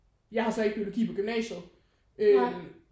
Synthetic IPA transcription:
jɑ̈ɪhɑ̈sɒ̽eɡ̥b̥ioloɡ̥ḭːpʰɒ̽ɡ̥emnɛ̰ːɕə | ø

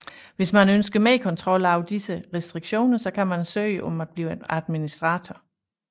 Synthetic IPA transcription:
ʋe̝smænønsɡ̥əmeːkʰɒ̽nt͡sʰʁɒ̽l̰ɑ̈ʊd̥isəʁɛsd̥ʁiɡ̥ɕo̝̰ːnɐsɒ̽kʰæmænsø̰ːɪəʔɒ̽mæd̥̚b̥liːæðˠminisd̥ʁɑ̈ːt͡sʰɒ

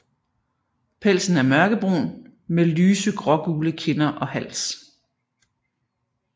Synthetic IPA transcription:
pʰel̰sn̩æɐmɶɐɡ̥əb̥ʁo̝̰nmelyːsəɡ̥ʁɒ̽ɡ̥uːləkʰe̝nɐʔɒ̽hæl̰s

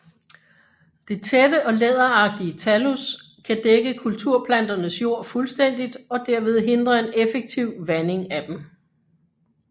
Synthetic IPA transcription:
d̥e̝t͡sʰed̥əʔɒ̽leð̞ˠɐɑ̈ɡ̥̚d̥iət͡sʰælus | kʰæd̥eɡ̥əkʰult͡sʰuɐ̰pʰlæn̰d̥ɐnəsjo̝ɐ̰fulsd̥en̰d̥id̥ɒ̽d̥æɐ̰ʋe̝ð̞ˠɦe̝nd̥ʁɐe̝nefeɡ̥̚t͡sʰiʊ̰ʋæne̝ŋæd̥em

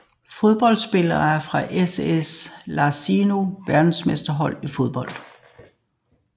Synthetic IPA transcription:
fo̝ð̞ˠb̥ɒ̽l̰d̥sb̥e̝lɐːæɐfʁɑ̈ʔeseslɑ̈sino̝ʋæɐd̥n̩smesd̥ɐɦɒ̽l̰ifo̝ð̞ˠb̥ɒ̽l̰d̥

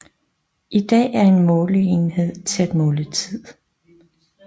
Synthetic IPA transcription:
ʔid̥ɛ̰ːæɐe̝nmɔːləe̝nhe̝ð̰ˠt͡sʰe̝æd̥mɔ̽ːlət͡sʰið̰ˠ

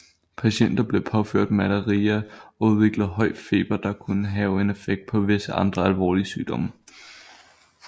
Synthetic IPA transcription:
pʰæɕen̰d̥ɐb̥le̝pʰɒ̽føɐ̰d̥̚mæləʁiːɐʔɒ̽uð̞ˠʋe̝ɡ̥lð̩ˠɦɒ̽ɪ̰̥fe̝̰ːb̥ɐd̥ɑ̈kʰunəɦɛːʊe̝ne̝feɡ̥̚d̥̚pʰɒ̽ʋe̝səʔɑ̈nd̥ʁɐælʋɒ̰ːliəsyːd̥ɒ̽m̰ə

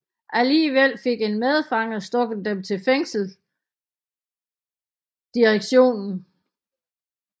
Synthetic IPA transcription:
ʔæliːʋel̰fe̝ɡ̥e̝nmeð̞ˠfɑ̈ŋɐsd̥ɔ̽ɡ̥ð̩ˠd̥emt͡sʰe̝lfeŋ̰sl̩ | d̥iʁeɡ̥ɕo̝̰ːnn̩

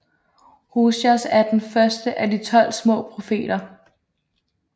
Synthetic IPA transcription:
husɐsæɐd̥enfɶɐsd̥əʔædit͡sʰɒ̽l̰smɔ̰̽ːpʰʁo̝fe̝̰ːd̥ɐ

